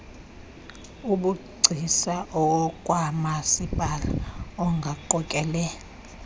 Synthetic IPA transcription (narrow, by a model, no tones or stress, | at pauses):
uɓuɡ͡ǀʱisaʔɔɔkʼwamasipʼala̰ɔŋɡʱaǃɔkʼɛːlɛ